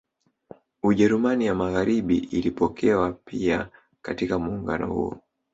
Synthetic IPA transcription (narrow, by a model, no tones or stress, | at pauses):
uʄɛɾumanijamaɣaɾiɓiilipɔkʰɛwapʰia | katikamuːŋɡa̰nɔ̰hṵɔ̰